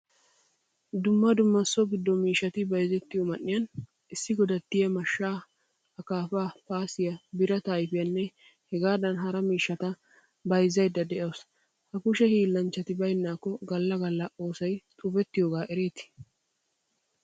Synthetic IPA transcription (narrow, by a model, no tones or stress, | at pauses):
d̪ʊmːɐd̪ʊmːɐsːɔɡɪd̪ːɔmiːʃːɐt̪ɪbɐjzɛt̪ːɪjomɐʔːɪjɐn | ɪsːɪɡɔd̪ɐt̪ːɪjɐmɐʃːaː | hɐkaːfaːpaːsɪjɐbɪɾɐt̪aːjfɪjɐnːɛ | hɛɡaːd̪ɐnɦɐɾɐmiːʃːɐt̪ɐ | bɐjzɐjd̪ːɐd̪ɛʔɐs | hɐkʊʃɛhiːlːɐnt͡ʃːɐt̪ɪbɐjnːaːkːɔɡɐlːɐɡɐlːɐo̞ːsɐjt̪ʼʊbɛt̪ːɪjoːɡaːʔɛɾeːt̪ɪ̥